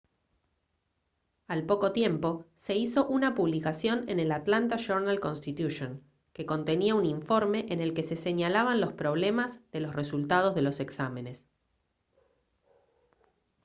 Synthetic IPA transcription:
alpo̞ko̞t̪je̞mpo̞se̞iso̞ʔunapuβlikasjo̞nene̞lat̪lant̪aʃoɾnalko̞nst̪it̪juʃon | ke̞ko̞nt̪e̞niauniɱfo̞ɾme̞ʔene̞lke̞se̞se̞ɲalaβanlo̞spɾo̞β̞le̞mazðe̞lo̞sre̞sult̪að̞o̞zðe̞lo̞se̞ksame̞ne̞s

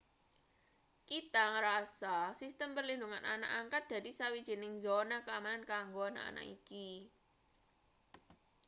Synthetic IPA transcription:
kit̪aŋɾasasist̪əmpərlinduŋanʔa̰na̰ʔaŋkat̪̚d̪̥ä̤d̪̥isawid̥ʒ̥i̤nɪŋzonakəamanankaŋɡoana̰ʔa̰na̰ʔiki

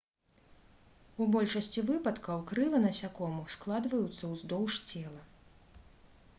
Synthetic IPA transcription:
ubɔlʲʂɐsʲt͡sʲivɨpɐt̪kɐwkɾɨlˠɐnɐsʲakɔmusklˠad̪vɐjut̪sːɐwzd̪ɔwʂt͡sʲɛlˠɐ

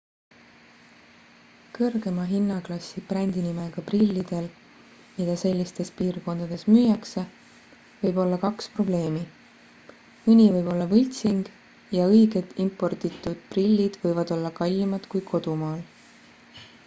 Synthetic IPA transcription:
kɤrɡ̥e̞mɑɦinːɑklɑsːib̥rænʲd̪inime̞ɡ̥ɑprilʲːid̪̥e̞l | mid̪̥ɑse̞lʲːist̪e̞spiːrko̞nd̪̥ɑd̪̥e̞smyːjɑkse̞ | vɤjbo̞lːɑkɑkspro̞ble̞ːmi | ɯnʲivɤjb̥o̞lːɑvɯlʲt̪siŋɡ̥ | jɑɤjɡ̥e̞d̪impˑo̞rt̪it̪ːˑud̪̥prilʲːid̪̥vɤjvɑd̪̥o̞lːɑkɑlʲːimɑd̪̥kujkʰo̞d̪̥umɑːl

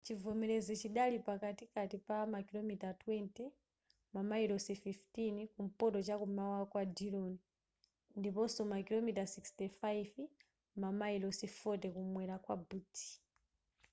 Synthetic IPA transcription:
t͡ʃivɔmɛɾɛzɔt͡ʃiɗalipakatikatipamakilɔmitatwɛntɛ | mamaiɾɔsififtinikum̩pɔtɔt͡ʃakumawakwadiɾɔni | ndipɔsɔmakilɔmitasikstɛfajv | mamaiɾɔsifɔtɛkumwɛɾakwabutʰi̥

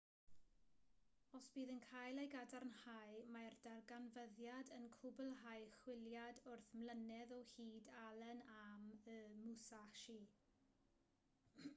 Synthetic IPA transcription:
ɔsb̥iːðənkʰajlˠejɡadarnhajmardarɡanvəðjadənkʰʊbəlˠɦajχwɪljadʊrθmlənɛðɔhiːdalˠɛnaməmusaʃi

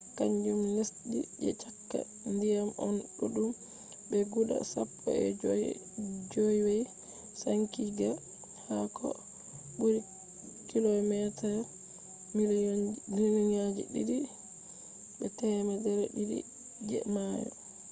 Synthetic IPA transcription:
kaɲd͡ʒumlesɗid͡ʒɛ̰t͡ʃakːa̰ | ndijamɔnɗuɗum | bɛɡuɗa̰sapʰːɔ̰ɛ̰ | d͡ʒɔjwaj | saŋkiɡa | hakɔ̰ | buɾi | kilɔmɛtaɾ | mimilinad͡ʒḭɗidi | bɛtɛmadɛɾɛɗidḭ | d͡ʒɛ̰majɔ̰

